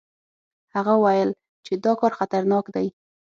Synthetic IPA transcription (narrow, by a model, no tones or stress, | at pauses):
haɣawajəl | t͡ʃed̪ɑkɑɾxat̪aɾnɑkd̪aj